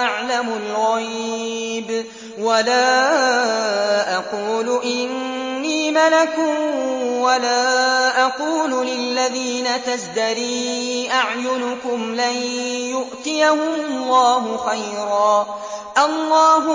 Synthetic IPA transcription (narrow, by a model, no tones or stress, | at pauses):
aʕlamʊlɣajb | walaː | ʔɑquːlʊʔɪnːiːmalakʊwalaːʔɑquːlʊlɪlːaðiːnat̪asd̪aɾiːʔaʕjʊnʊkʊmlajjʊʔt̪ɪjahʊmʊlˤːɑːɦʊxajɾɑː | ʔɑlˤːɑːɦʊ